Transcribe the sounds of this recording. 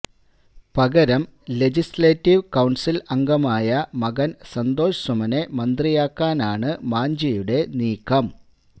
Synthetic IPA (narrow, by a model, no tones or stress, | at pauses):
pɐɡɐɾɐmle̞d͡ʑisleːtːiʋkɐwɳsilɐŋɡɐmaːjɐmɐɡɐnsɐnd̪o̞ːʂsumɐne̞mɐnd̪rijaːkːaːnaːɳɨmaːɲd͡ʑɐjuɽe̞niːkʰːɐm